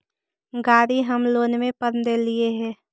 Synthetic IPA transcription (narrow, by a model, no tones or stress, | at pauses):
ɡaːɾiɦəmloːnmẽpəɾnd̪elieɦɛ̃ː